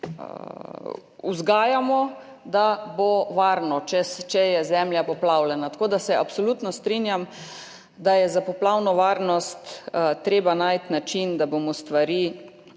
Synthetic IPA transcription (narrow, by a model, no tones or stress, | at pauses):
uzɡaːjamɔ | d̪aboʋaɾnɔt͡ʃɛst͡ʃɛjɛzɛmljapɔplawlɛnat̪ḁkoːd̪asɛapsɔlut̪nɔst̪ɾinjam | d̪ajɛzapɔplawnɔʋaɾnɔst̪t̪ɾeːbanajt̪nat͡ʃind̪abomɔst̪ʋaɾiː